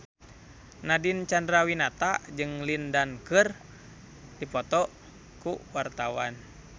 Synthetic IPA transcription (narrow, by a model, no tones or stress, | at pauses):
nadint͡ʃandɾawinat̪ad͡ʒɨŋlindankɨr | dipɔt̪ɔʔ | kuwart̪awan